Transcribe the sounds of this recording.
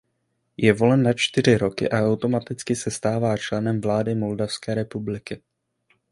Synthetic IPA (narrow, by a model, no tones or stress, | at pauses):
jɛvo̞lɛnːat͡ʃt̪ɪr̝ɪɾo̞kɪ̰ʔaʔawt̪o̞mat̪ɪt͡skɪsɛst̪aːvaːt͡ʃlɛnɛmvlaːdɪmo̞ldafskɛːɾɛpublɪkɪ